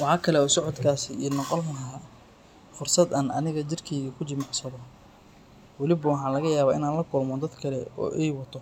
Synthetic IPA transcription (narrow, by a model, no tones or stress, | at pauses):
wɑħɑːkʰɐlɛɔːsɔʕɔd̪kʰaːsɪiːnɔqɔlɦɐ | fʊrsɐd̪ɐnɐnɪɣɐt͡ʃɪrkʰɛjɣɐkʰʊt͡ʃɪmɑʕsɐðɔ | wɐlɪbɐwɑħɑːnlɐɣɐjaːβaːʔɪnaːnlɐkʰʊlmɔd̪ɐd̪kʰɐlɛɔ̰ːʔɛjwɐt̪ʰɔ